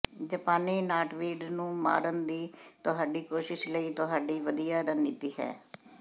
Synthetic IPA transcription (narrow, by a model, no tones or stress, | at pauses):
d͡ʒəpaːneːnaːʈʋiːɖnũːma̰ːɾənd̪iːt̪ʊɦaːɖiːkoːʃɪʃləiːt̪ʊɦaːɖiːʋəd̪ijaːɾəniːt̪iːɦɛ̰ː